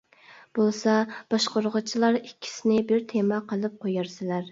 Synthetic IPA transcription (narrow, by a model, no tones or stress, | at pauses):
b̥olˠsɑb̥ɑʃqoɾʁət͡ʃʰilˠɑɾikʲʰːi̥sɪnɪbɪɾt̪ʰemɑqʰəlˠɨp̚qʰojɑɾsɪlæɾ